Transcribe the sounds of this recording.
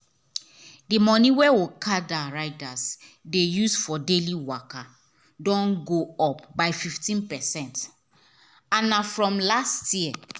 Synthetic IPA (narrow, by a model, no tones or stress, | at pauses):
dimɔniwɛwokʰadaɹaɪdasdejusfɔdeliwaka | dɔ̃nɡoɔp̚baɪfiftĩnpɛsɛ̃nt | ãnafɹɔ̃mlastʰjiɛ